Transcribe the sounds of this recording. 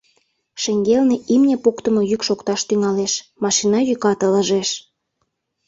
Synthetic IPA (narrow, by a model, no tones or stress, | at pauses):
ʃeŋɡelneimnʲepokt̪ə̆mojykʃokt̪ɑʃt̪yŋɑleʃmɑʃinɑjykɑt̪ələ̆ʒeʃ